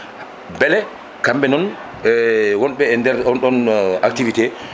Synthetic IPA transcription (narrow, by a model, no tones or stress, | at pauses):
bɛlɛ | kambɛnɔn | wɔnɓɛːndɛɾɔnɗɔnak̚tivitɛ